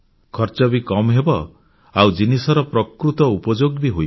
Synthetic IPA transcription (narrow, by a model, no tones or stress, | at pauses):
kʰɔɾt͡ʃɔbikɔmɦebɔ | awd͡ʒinisɔɾɔpɾɔkɾut̪ɔupɔd͡ʒoɡbiɦoj